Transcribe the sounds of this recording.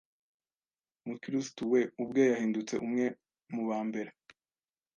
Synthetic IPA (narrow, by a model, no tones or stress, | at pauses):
mukiɾistuwe̞ubɡo̞jahiːndut͡se̞̰ʔumŋe̞ | muβaːmbe̞ɾe